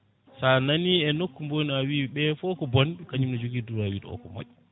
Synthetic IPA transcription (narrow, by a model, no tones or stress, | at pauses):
sananiɛnokːumboniawiɓɛfɔkɔbɔnɗukaɲimnɔd͡ʒoɡiduɾawiːɗɔ̰ɔ̰kɔmo̰ʔː